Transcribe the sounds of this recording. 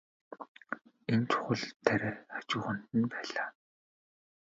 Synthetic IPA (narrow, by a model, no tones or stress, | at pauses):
ent͡ɕʰʊ̥χə̆ɮt̪ʰːæɾeːat͡ɕʊːχə̆nt̪ɘ̆npæːɮaː